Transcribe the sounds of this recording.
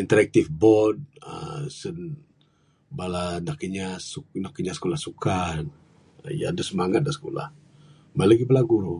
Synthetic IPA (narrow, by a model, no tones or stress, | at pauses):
int̪əɾɛk̚t̪ifbɔd̚ə̰sən | balanakəɲasunakːəɲasə̥kolahsukan | ja̰dusəmaŋat̪̚dasə̥kola̰h | majlaɡibəlaɡuɾu